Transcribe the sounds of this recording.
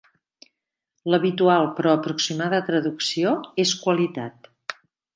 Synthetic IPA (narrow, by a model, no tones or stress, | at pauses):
ləβit̪ualˠpɾɔəpɾuksimaðət̪ɾəðuksioeskwəlit̪at̪